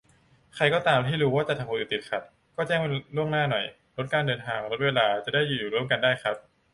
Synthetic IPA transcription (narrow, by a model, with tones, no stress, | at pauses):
kʰa˧jkɔː˥˩t̪aː˧mt̪ʰiː˥˩ɾuː˦˥waː˥˩t͡ɕa˨˩t̪ʰːa˧muː˧˩ʔɨː˨˧˩t̪i˨˩t̪̚kʰa˧˥˩t̪̚ | kɔː˥˩t͡ɕɛː˥˩ŋ˧lu˥˩əŋnaː˥˩nɔ˨˩j | lo˦˥t̪̚kaː˧ndɤː˧nt̪ʰaː˧ŋɾo˦˥t̪̚weː˧laː˧t͡ɕa˨˩daː˥˩jːuː˨˩juː˨˩ɾu˥˩əmka˧ndaː˥˩jxʰa˦˥p̚